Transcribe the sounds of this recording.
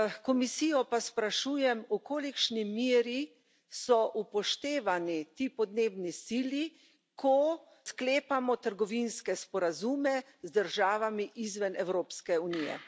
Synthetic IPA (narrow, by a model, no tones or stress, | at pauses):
kɔmisijɔpaspɾaʃuːjɛmukoːlikʃnimiːɾi | sɔʔupɔʃt̪eːʋanit̪iːpɔd̪neːbnisiːli | kʰɔ | skleːpamɔt̪əɾɡɔʋinskɛspɔɾazuːmɛ | zd̪əɾʒaːʋamiʔizʋɛnɛwɾoːpskɛunijɛ̰